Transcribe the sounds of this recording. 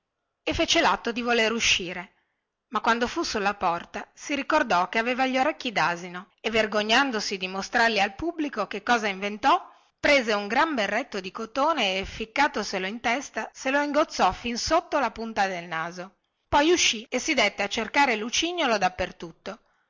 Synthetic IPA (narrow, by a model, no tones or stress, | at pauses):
efet͡ʃelat̪ːod̪ivoleɾuʃːiːɾe | makwand̪ofusulːapɔrt̪asiɾikord̪ɔkeaveːvaʎoɾɛk̟ːid̪aːzino | evːerɡoɲːand̪osid̪imost̪ɾarlialpubːlikokekːɔːzaiɱvent̪ɔ | pɾeːzeuŋɡɾamberːet̪ːod̪ikot̪oːneːfikːaːt̪oseloint̪ɛst̪aseloiŋɡot̪sːɔfinsot̪ːolapunt̪ad̪elnaːzo | pɔjuʃːiesid̪et̪ːeat͡ʃːerkaːɾelut͡ʃiɲːolod̪apːert̪ut̪ːo